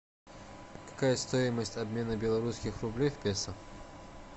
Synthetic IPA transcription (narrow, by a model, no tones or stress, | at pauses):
kḁkajɐst̪ɔjiməsʲtʲɐbmʲenɐbʲɛlˠɐɾuskʲixrublʲefʲpʲesɐ